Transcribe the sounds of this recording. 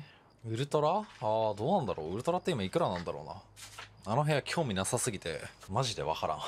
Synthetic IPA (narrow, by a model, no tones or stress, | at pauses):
ɯ̟ɾɯ̟t̪o̞ɾaaːd̪o̞ːnãnd̪aɾo̞̰ːɯ̟ɾɯ̟t̪o̞ɾat̪ːeimaikɯ̟ɾanãnd̪aɾo̞̰ːna̰ano̞ɦẽakʲʰo̞ːmʲinasasɨɡʲit̪e̞̰maʑid̪e̞̰βa̰kaɾã̰